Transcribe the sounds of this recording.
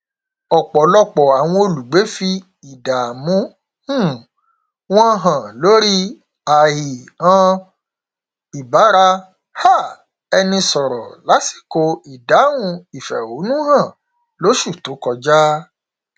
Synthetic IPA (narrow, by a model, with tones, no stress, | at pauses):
ɔ˨k͡pɔ˨lɔ˧k͡pɔ˨a˨w̃ɔ̃˧o˧lu˨ɡ͡be˨˦fi˧ | i˨da˨mũ˨˦ | hũ˦˨ | w̃ɔ̃˦ɦã˨lo˨˦ɾi˦ | a˨hi˨ã˦ | i˨ba˨˦ɾa˧ | ha˦˨ | ɛ˧nĩ˧sɔ˨ɾɔ˨la˨˦si̥˦˨ko˧i˨da˨˦wũ˧i˨fɛ̰˨o˨˦nũ˦hã˦˨ | lo˨˦ʃu˦˨to˨˦kɔ˧d͡ʒa˦